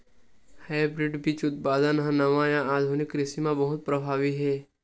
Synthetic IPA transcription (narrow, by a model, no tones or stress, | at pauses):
hajbɾɪɖbʱit͡ʃʊt̪̚paːd̪ənɦə̃nɐʋãjãaːd̪ʱunɪkɾɪsimãbɐɦʊt̪̚pɾəbʱaːʋiɦɛː